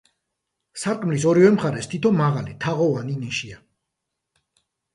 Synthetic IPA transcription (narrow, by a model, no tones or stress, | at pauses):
saɾkʼmlisɔɾivɛmχaɾɛst̪ʰit̪ʰɔmaʁalit̪ʰaʁɔvaniniʃia